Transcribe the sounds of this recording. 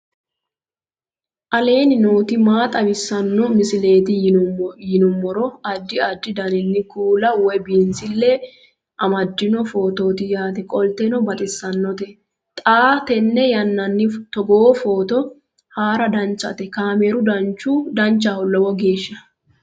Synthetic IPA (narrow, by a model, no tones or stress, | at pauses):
ʔɐle̞ːnɪno̞ːt̪ɪmaːt̪ʼɐbɪsːɐnːɔmɪsɪle̞ːt̪ɪjɪnʊmːɔɾɔɐd̪ːɪɐd̪ːɪd̪ɐnɪnːɪkuːlɐwɛbiːnsɪlːɛ | ʔɐmɐd̪ːɪnɔfo̞ːt̪o̞ːt̪ɪjaːt̪ɛkʼɔlt̪ɛnɔbɐt̪ʼɪsːɐnːɔt̪ɛ | t̪ʼaːt̪ɛnːɛjɐnːɐnːɪt̪ɔɡoːfoːt̪ɔ | haːɾɐd̪ɐnt͡ʃːɐ̰t̪ɛkaːmeɾʊd̪ɐnt͡ʃːud̪ɐnt͡ʃːahɔlːɔwɔɡe̞ːʃːɐ